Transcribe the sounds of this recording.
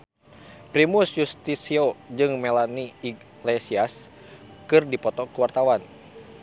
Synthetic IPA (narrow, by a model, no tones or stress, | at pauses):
pɾimusjust̪isiod͡ʒɨŋmɛlaniː | lesias | kɨrdipɔt̪ɔkuwart̪awan